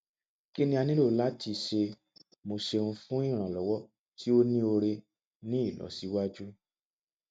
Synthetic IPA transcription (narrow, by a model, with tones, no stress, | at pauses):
ki˦nĩ˦a˧nĩ˦lo˦˨la˨˦ti˧˨ʃe˧ | mo˧ʃe˧nũ˧fũ˦i˦˨ɾ̃ã˨lɔ˨˦wɔ˦ | ti˦o˦nĩ˦o˧ɾe˧ | nĩ˦i˦˨lɔ̰˨˦si˨˦wa˦d͡ʒu˦